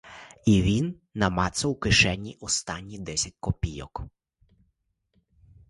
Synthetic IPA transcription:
iʋʲinːɐmɑt̪sɐwkɪʃɛnʲːiʔɔst̪ɑnʲːid̪ɛsʲɐt̚ʲkɔpʲijɔ̰k

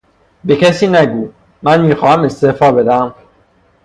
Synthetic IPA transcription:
bekʲʰæsiːnæɡuː | mænmiːxɒːhæmest̪efɒːbed̪æm

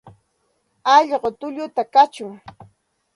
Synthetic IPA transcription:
ɑʎɢot̪ʊʎʊt̪akat͡ʃʊŋ

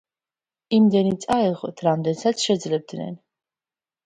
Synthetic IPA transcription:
imd̪ɛnit̪sʼaɛʁɛ̰t̪ʰɾamd̪ɛnsat̪sʰʃɛd̪zlɛb̚d̪nɛ̰n

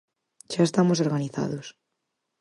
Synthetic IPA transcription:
ʃaest̪amos̬oɾɣaniθa̰ðos

